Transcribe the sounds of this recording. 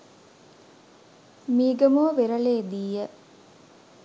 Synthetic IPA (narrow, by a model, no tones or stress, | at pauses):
miːɡəmoːʋeɾɐleːd̪iːə